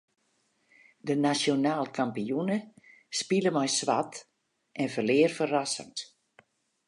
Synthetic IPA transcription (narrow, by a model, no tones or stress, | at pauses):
dənasjonaːlˠkʰampijunə | spiləmɔjsʋat | ʔɛnfəlɪːərfərasə̰ns